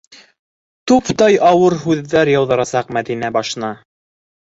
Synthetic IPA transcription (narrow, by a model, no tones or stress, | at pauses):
t̪upt̪ɑjɑwɤɾɦʉðːæɾjɑwðɤ̆ɾɑsɑqmæðinæbɑʃnɑ